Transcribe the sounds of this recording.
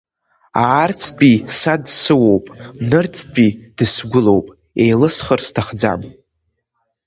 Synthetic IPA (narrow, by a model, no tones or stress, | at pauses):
aːrt͡sʰʼt͡pʼisadsɨwo̞wpʼnɨrt͡sʰʼt͡pʼid̥ɨsɡʷʊlo̞wpʼ | ejlɨsχərstʰaχd͡za̰m